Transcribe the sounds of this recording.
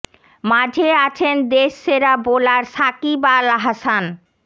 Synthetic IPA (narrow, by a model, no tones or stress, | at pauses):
mad͡ʑʱeat͡ɕʰend̪eʃːeɾabolaɾsakibalɦasan